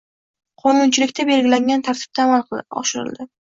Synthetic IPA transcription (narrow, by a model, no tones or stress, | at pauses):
qʰɒnʊnt͡ʃʰɪlɪkʲt̪ʰabe̞lɡʲɪlaŋɡʲant̪ʰaɾt̪ʰɪ̥b̚t̪ʰaːmalˠqɒ̰ʃɪɾɪ̰ld̪ɪ